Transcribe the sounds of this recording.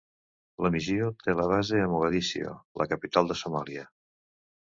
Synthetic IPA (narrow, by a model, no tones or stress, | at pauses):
ləmiziot̪eləβ̞azeəmoɣəðisḭo̰lʔə̰kəpit̪alˠd̪əsomaliə